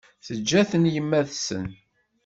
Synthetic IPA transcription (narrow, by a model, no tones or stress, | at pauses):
θəd͡ʒːæθənjəmːæðsə̰n